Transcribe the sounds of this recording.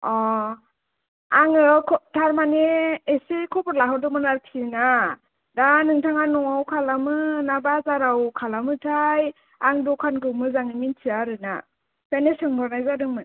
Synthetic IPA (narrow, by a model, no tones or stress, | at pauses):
ɔ | aŋɯkʰɔtʰaɾmaneːsekʰɔbɔɾlaɦɔdɯmɯnaɾkʰina | danɯŋtʰaŋanɔŋawkʰalamɯnabazaɾawkʰalamɯtʰaj | aŋdɔkʰanɡɯwmɯzaŋɯmintʰiaɾɯna̰ | pʰanesɯŋdɔɾnajzadɯŋmɯ